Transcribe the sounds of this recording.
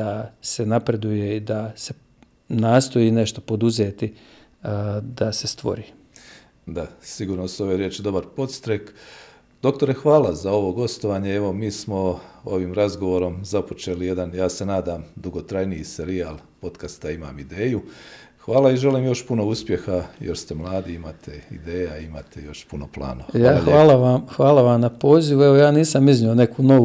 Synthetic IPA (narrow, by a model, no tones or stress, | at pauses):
ase̞napɾe̞d̪uje̞id̪ase̞ | naːst̪o̞jine̞ʃt̪o̞po̞d̪uzeːt̪i | d̪ase̞st̪ʋo̞̰ɾiː | d̪asiɡuːɾnosuo̞ʋeɾjeːt͡ʃid̪o̞baɾpo̞t̪st̪ɾek | d̪o̞k̚t̪o̞ɾexʋaːlazao̞ʋo̞ɡo̞st̪oʋaːɲeeʋo̞miːsmo̞o̞ʋiːmɾazɡo̞ʋo̞ɾo̞mzapo̞t͡ʃe̞ːlije̞d̪anjaːse̞naːd̪aːmd̪uɡo̞t̪ɾajnijise̞ɾiaːl | po̞t̪kast̪aima̰ːmid̪e̞ːju | xʋaːlˠaiʒe̞liːmjo̞ʃpuno̞uspje̞xajeɾst̪emlˠaːd̪iimat̪ʰeḭd̪e̞ːjaimat̪ʰejo̞ʃpuno̞plˠa̰ːnoʋajaːʎʋaːlaʋamxʋaːlaʋamnapo̞ːziʋueʋojaːniːsamiznione̞kunoʋu